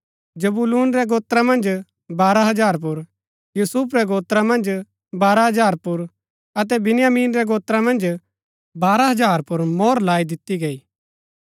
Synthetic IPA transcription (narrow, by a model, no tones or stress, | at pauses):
d͡ʒɐbuluːnɾɛɡoːt̪ɾãmɐ̃nd͡ʒ | baːɾaɦɐd͡ʒaːɾpʊɾ | juːsuːpɾɛɡoːt̪ɾamɐ̃nd͡ʒ | baːɾaɦɐd͡ʒaːɾpʊɾ | ɐt̪̬ɛbɪnɪjaːmiːnɾɛɡoːt̪ɾamɐ̃nd͡ʒ | baːɾaɦɐd͡ʒaːɾpʊɾmɔːɾlaːid̪ɪt̪ːiɡeːiː